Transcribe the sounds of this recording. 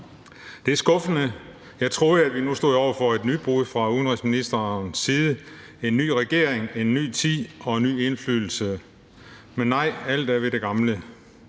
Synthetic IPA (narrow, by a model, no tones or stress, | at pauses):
d̥e̝æɐsɡ̥ɔ̽fənə | jɑ̈ɪt͡sʰʁo̝ːðˠæd̥ʋinusd̥o̝ð̩̰ˠɒ̰ʊ̰ɐfɒ̽e̝d̥nyd̥̚b̥uðˠfʁɑ̈uðˠn̩ʁisminisd̥ɐnsiːð̞ˠə | e̝nːy̰ːʁɛɡ̥e̝ɐ̰eŋe̝nːy̰ːt͡sʰið̰ˠɒ̽e̝nːy̰ːe̝nfly̰ːðˠl̩sə | menːɑ̈ɪ̰æl̰d̥æɐʋe̝d̥e̝ɡ̥ɑ̈mlə